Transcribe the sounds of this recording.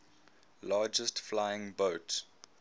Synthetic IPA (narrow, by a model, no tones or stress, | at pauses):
lɑːd͡ʒəstflaɪɪ̃ŋboʊt